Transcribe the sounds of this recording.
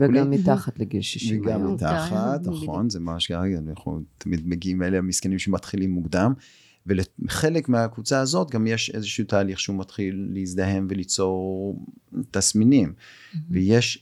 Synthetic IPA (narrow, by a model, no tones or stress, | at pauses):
veɡamːit̪aχat̪leɡilʃiʃveɡamːit̪aχat̪naχo̞nzemamaʃkaʁeɡanaχnṵt̪ʰamid̪meɡiimeleamiskenimʃemat̪χilimːuɡd̪am | veleχe̞lekmeakvut͡saazo̞t̪ɡamjeʃe̞zeʃeut̪aːliχʃeumat̪χilːeizd̪aɦe̞mvelit͡so̞ʁ | t̪asminim | vejeʃ